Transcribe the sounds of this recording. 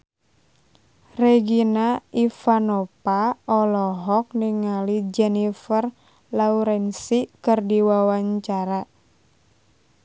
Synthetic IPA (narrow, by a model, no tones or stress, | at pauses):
rɛɡinaifanɔpaɔlɔɦɔk̚niŋalid͡ʒɛnifər | lauɾɛnsikɨrdiwawaɲt͡ʃaɾa